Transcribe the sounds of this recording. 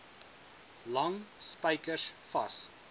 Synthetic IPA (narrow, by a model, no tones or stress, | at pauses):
lɐŋspəjkəsfɐs